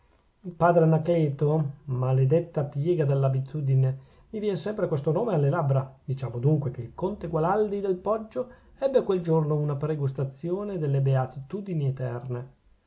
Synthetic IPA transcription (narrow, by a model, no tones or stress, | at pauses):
ilpaːd̪ɾenaklɛːt̪omaled̪et̪ːapjɛːɡad̪elːabit̪ʰuːd̪ine | mivjɛːnesɛmpɾekwest̪onoːmealːelabɾad̪̥it͡ʃaːmod̪uŋkwekeilkont̪eɡwalald̪id̪elpɔd͡ʒːo | ɛbːekweld͡ʒornounapɾeɡust̪at̪sːjoːned̪elːebeat̪it̪uːd̪iniet̪ɛrne